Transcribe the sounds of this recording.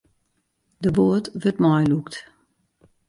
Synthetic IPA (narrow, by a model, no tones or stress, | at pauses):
dəboətʋøtmɔjlukt